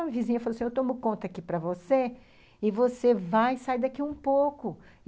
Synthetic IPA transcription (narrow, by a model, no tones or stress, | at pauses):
vizĩɲɐfalosĩewt̪õmʊkõnt̪ɐakipɾɐvose | ɪvosevajsaid̪akiũpokʊ